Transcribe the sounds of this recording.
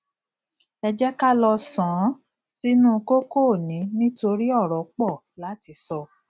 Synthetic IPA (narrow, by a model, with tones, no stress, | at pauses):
ɛ˧d͡ʒɛ˦ka˦lɔ˧sã˨˦ | si˦nũ˦˧ko˦ko˦˨nĩ˨˦nĩ˦to˧ɾi˦ɔ˦˨ɾɔ˨k͡pɔ˦˨ | la˨˦ti˧sɔ˧